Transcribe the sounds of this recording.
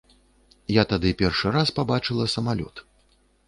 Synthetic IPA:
jat̪ad̪ɨpʲɛrʂɨɾaspabat͡ʂɨlˠɐsɐmalʲɔ̰t̪

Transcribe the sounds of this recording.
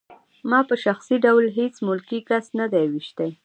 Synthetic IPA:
mɑpəʃaxsiɖawlɦet͡smʊlkikasnad̪ajawiʃt̪aj

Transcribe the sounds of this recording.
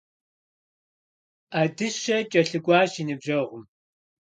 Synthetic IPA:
adɨɕɐt͡ʃʼɐɬɨɡʷʼɑːɕinɨbʒɐʁʷʊm

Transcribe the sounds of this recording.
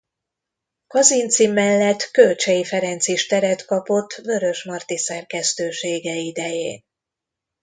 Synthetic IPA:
kɒzint̪simːɛlːɛt̪ːkø̞lt͡ʃɛjifɛɾɛnt̪siʃt̪ɛɾɛt̪kɒpo̞t̪ːvø̞ɾø̞ʃmɒrt̪isɛrkɛst̪øːʃeːɡɛid̪ɛjḛːn

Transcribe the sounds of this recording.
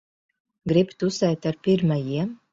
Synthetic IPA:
ɡɾipt̪usɛjt̪aɾpʲiɾmajiɛ

